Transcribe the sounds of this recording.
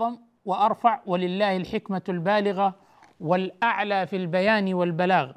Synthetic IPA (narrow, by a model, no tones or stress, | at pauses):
ɑm | wɪʔɑɾˤfɑʕwalɪlːaːhalħɪkmalbaːlɪɣa | wɪlʔaʕlaːfilbajaːnwalbalaːɣ